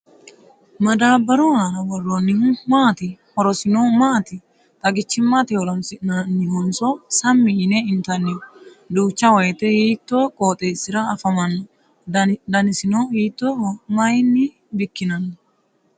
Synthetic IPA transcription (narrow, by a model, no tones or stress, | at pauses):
mɐd̪aːbːɐɾonɐɾɐwɔrːonːɪhʊmaːt̪ɪhɔɾɔsɪnomaːt̪ɪ | t̪ʼɐɡɪt͡ʃːɪmːat̪ɪhɔɾɔnsɪnɐnːɪhɔnsɔsɐmːɪʔɪnɛɪnt̪ɐnːɪ | d̪uːt͡ʃːɐwɔjɛt̪ɛhiːt̪ːoːkʼoːt̪ʼeːsɪɾɐːfɐmɐnːɐ | d̪ɐnɪsɪnoːiːt̪ːomɐjɪnːɪ | bɪkːɪnɐnːɐ